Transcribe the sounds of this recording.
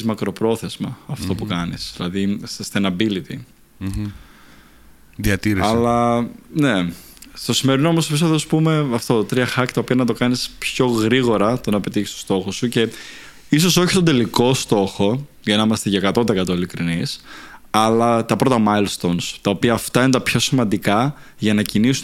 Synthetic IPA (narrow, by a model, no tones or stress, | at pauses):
zmɐkɾo̞pɾo̞θe̞zmɐɐft̪o̞pukɐnisðilɐðisest̪enɐbilit̪ḭ | ðiɐt̪iɾeɐlɐne̞ | st̪o̞simeɾinoomospisoðospume̞ɐft̪o̞t̪ɾiɐxɐct̪ɐopiɐnɐt̪̬o̞kɐnispço̞ɣɾiɣo̞ɾɐt̪onɐpe̞t̪içi̥st̪st̪o̞xo̞suce̞ | is̬o̞so̞çi̥t̪ond̪e̞liko̞st̪o̞xo̞ | ʝɐnɐimɐst̪eʝɐekɐt̪od̪ekɐt̪oilikɾinisɐlɐt̪ɐpɾo̞t̪ɐmɐjlst̪onst̪ɐo̞piɐːft̪ɐinet̪ɐpço̞simɐnd̪ikɐ | ʝɐnɐcinisu